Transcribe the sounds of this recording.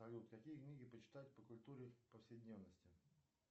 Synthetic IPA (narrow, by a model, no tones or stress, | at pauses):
ɐlʲut̪kɐkʲijəknʲiɡʲɪpət͡ɕɪ̥t̪atʲpəkʊlʲt̪uɾʲɪpəfsʲɪɪdʲnʲe̞vnəsʲtʲɪ